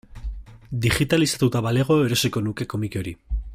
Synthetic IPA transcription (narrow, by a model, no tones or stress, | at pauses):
d̪iʝit̪alisḁt̪ut̪aβale̞ɣ̞o̞eɾo̞seko̞nuke̞ko̞mikeo̞ɾi